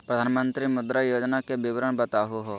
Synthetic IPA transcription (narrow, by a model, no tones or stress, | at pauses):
ppɾəd̪ʱaːnmə̃nt̪ɾimʊd̪ɾajoːd͡ʒnakebɪʋɾəɳbət̪aːɦuɦoː